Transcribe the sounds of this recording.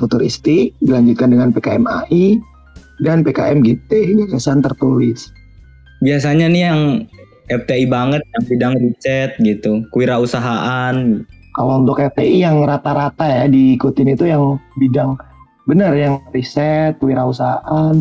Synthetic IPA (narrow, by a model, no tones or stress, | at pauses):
fut̪uɾist̪ikdilaɲd͡ʒut̪̚kandəŋanpekaɛma̰ʔi | danpeka̰ʔɛmɡet̪ɛɡakasant̪ərt̪ulɪs | bias̬aɲanijaŋ | ɛft̪eibaŋət̪̚jaŋbidaŋrisɛt̪̚ɡit̪ukwiɾausaɦaʔankalount̪ʊkɛft̪eʔijaŋrat̪aɾat̪ajadiːkut̪ɪnit̪ujaŋbidaŋ | bənərjaŋrisɛt̪̚kwiɾausaɦaʔan